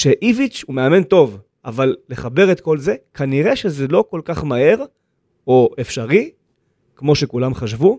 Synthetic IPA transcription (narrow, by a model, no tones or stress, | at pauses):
ʃeʔivit͡ʃhumeame̞nto̞v | avalːe̞χabe̞ʁet̪ko̞lze̞kʰaniʁe̞ʃezelo̞ko̞lkaχmahe̞ʁ | oefʃaʁi | kmo̞ʃekulamχaʃvu